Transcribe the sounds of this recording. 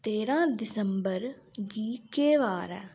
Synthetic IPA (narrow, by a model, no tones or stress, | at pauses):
t̪eːɾãːd̪ɪsəmbəɾ | ɡiːkeːʋaːɾɛː